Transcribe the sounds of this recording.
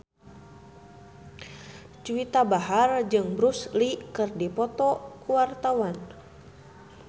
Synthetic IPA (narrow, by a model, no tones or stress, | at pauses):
t͡ʃuwit̪abaɦard͡ʒɨŋbɾuslikɨrdipɔt̪ɔkuwart̪awan